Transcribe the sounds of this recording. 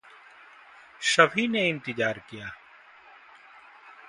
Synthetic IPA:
ʃəʋiːneːɪ̃nt̪ɪd͡ʒaːɾkijaː

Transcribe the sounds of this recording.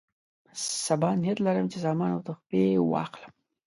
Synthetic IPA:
sabɑnijat̪laɾəmt͡ʃezɑmɑnawt̪əxpewɑ̰xləm

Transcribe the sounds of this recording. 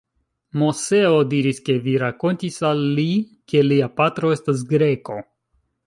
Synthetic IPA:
mo̞se̞odiɾiske̞viɾako̞ntisalːi | ke̞liapatɾo̞e̞stas̬ɡɾe̞ko̞

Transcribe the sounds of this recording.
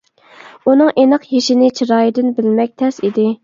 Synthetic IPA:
unɨŋʔenɨqjeʃɪnɪt͡ʃʰiɾɑːjid̪ɪnbɪlmɛk̚ʲt̪ʰɛsid̪ɪ

